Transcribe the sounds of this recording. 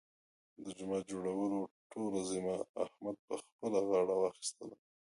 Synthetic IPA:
d̪əd͡ʒʊmed͡ʒoɽawəloʈolazimaahmad̪̚pəxpəlaɣɑɽawɑxi̥st̪əla

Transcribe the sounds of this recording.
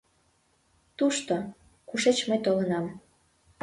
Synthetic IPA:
t̪uʃt̪o | kuʃet͡ɕməjt̪olənɑm

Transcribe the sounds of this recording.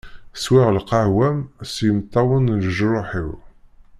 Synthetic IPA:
swɪʁəlqɑhwæmsjəmt̪ˤːɑwənləʒɾʊħiw

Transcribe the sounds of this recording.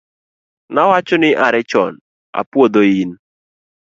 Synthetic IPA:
nawat͡ʃɔnɪʔaɾɛt͡ʃɔ̰n | a̰pwod̪oin

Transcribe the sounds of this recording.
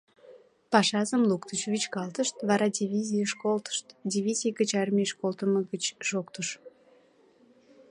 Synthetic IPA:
pɑʃɑzəmlukt̪ət͡ɕvʲit͡ɕkɑlt̪əʃt̪vɑɾɑd̪ʲivʲizʲijəʃkolt̪ə̥ʃt̪dʲivʲizʲijɡət͡ɕɑrmʲiʃkolˠt̪əməɡət͡ɕʒ̥okt̪əʃ

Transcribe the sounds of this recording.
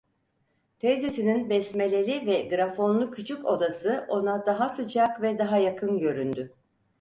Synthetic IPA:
t̪ʰɛzesininbɛsme̞lʲelʲivɛɡɾafo̞nlˠucʰyt͡ʃʰyko̞d̪asɯʔo̞nad̪aɦasɯd͡ʒakvɛd̪aɦajakʰɯnɟø̞ɾynd̪y

